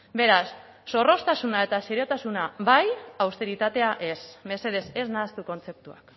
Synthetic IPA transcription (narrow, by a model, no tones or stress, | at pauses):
be̞ɾasː | o̞ro̞st̪asunae̞t̪aseɾio̞t̪asunaβajawst̪e̞ɾit̪at̪e̞aʔe̞sme̞se̞ð̞e̞se̞znaːst̪uko̞nt͡se̞p̚t̪ua̰k